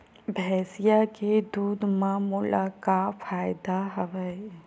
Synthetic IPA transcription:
bʱɛːsijaked̪uːd̪mãmʊla̰kafʰaːɪd̪aɦəʋə

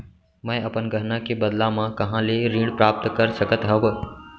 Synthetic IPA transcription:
mə̃əpənɡʱəɾnakebəd̪lãmãkɐɦãːleɾĩːɽpɾaːp̚t̪kəɾsəkət̪ɦəʋ

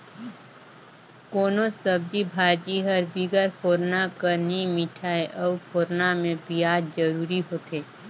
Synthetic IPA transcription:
koːnosəb̚d͡ʒibʱaːd͡ʒiɦəɾbiɡəɾpʰoːɾnakəɾnimɪʈʰaːeʔɔpʰoːɾnamẽbijaːdd͡ʒəɾuːɾiɦoːt̪eː

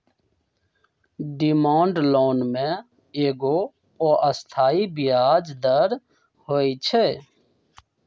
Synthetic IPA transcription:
ɖimãːɳɖloːnmẽ | eːɡo | oːʔəst̪ʰaːibɪjaːd͡ʒd̪əɾ | hoːit͡ʃʰɛː

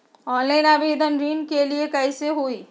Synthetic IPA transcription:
ɔ̃ːnlaːɪnaːbeːd̪ənɾiːnkeliekəiseɦoi

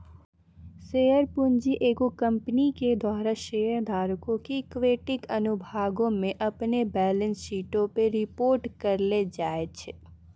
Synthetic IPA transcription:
seːjəɾpʊnd͡ʒiʔeːkokɐ̃mpniked̪waːɾaʃeːəɾd̪ʱaːɾkõkikʋeːʈɪkɐnʊbʱaːɡõmẽʔɐpnebɛːlə̃nsːiːʈõpeɾɪpoːɾʈkɐɾled͡ʒaːet͡ʃʰe

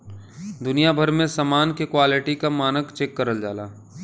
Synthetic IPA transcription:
d̪ʊnijabʱəɾmẽsamaːnkekwaːlɪʈikamaːnəkt͡ʃeːkːɐɾəld͡ʒaːlaː

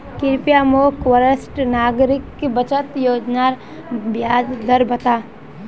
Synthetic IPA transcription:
kɪɾpijaːmoːkʋəɾəsʈnaːɡɾɪkbət͡ʃət̪joːd͡ʒnaɾ | bjaːd̪d̪əɾbɐt̪aː

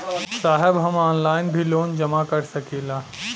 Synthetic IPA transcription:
saːɦɪbɦɐmɔːnlaːɪnbʱiloːnd͡ʒɐmakɐɾsɐkeːlaː

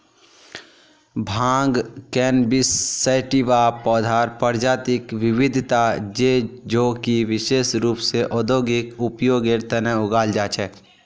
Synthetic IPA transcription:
bʱãːŋɡkɛːnbɪsːəɪʈiʋaːpɔːd̪ʱaːɾpəɾd͡ʒaːt̪ɪkʋɪʋɪd̪ʱt̪ad͡ʒed͡ʒoːkiʋɪʃeːʃɾuːpseʔɔːd̪oːɡɪkʊpjoːɡeɾt̪ənɛʊɡaːld͡ʒaːt͡ʃʰɛː

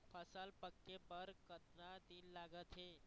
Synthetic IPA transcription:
pʰəsalpəkːebəɾkət̪nad̪iːlːaɡət̪ɦe

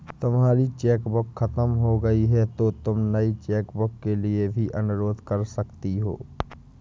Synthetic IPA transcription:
t̪ʊmɦaːɾit͡ʃɛːkbʊkʰːɐt̪əmɦoɡɐiɦɛt̪ot̪ʊmnɐit͡ʃɛːkbʊkːeliebʱiʔɐnʊɾoːd̪ʱkɐɾsɐkt̪iɦo̰ː

